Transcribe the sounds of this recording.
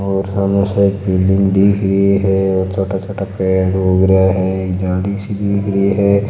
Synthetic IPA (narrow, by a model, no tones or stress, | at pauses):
ɔːɾsaːmẽseeːkbɪlɪ̃ŋɡd̪iːkʰɾəɦiɦɛoːɾt͡ʃʰoːʈat͡ʃɐʈəpkeɾoːɡɾəaɦɛeːkd͡ʒaːlisid̪iːkʰɾəiɦɛ